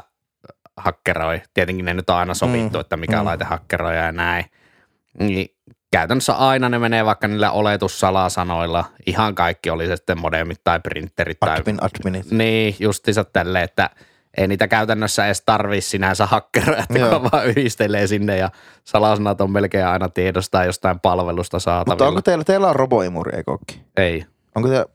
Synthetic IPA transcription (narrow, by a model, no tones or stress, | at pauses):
hɑkːeroˑit̪iet̪eŋkinnenyt̪ːõʔɑˑinɑsoʋit̪ːuet̪ːæmikæ̰lɑit̪ehɑkːeroˑijɑjɑnæˑi | niː | kæˑyt̪ænːəsːæ̰ʔɑˑinɑnemeneːʋɑˑikːɑniːlːæ̰ʔolet̪ussɑlɑsɑnoilːɑʔihɑŋkɑˑikːiolisesi̥t̪ːemmodemːit̪t̪ɑˑiprḭnt̪ːerit̪t̪ːɑ̰ˑi | niːjust̪iːsɑt̪t̪ælːeːet̪ːæ̰ | ʔḛˑiniːt̪ækæˑyt̪ænːøsːæeːst̪ɑrʋissinænsæhɑkːerɑʔet̪ːækuʋɑyhist̪eleːsinːejjɑ | sɑlɑsɑnɑt̪ommelkeːʔɑˑinɑt̪iedost̪ɑˑijjost̪ɑˑimpɑlʋelust̪ɑsɑːt̪mɑʋoŋːkot̪eilːæt̪eilːæroboimṵrḭḛˑiko̰ˑkːi̥eˑi | ʔoŋkose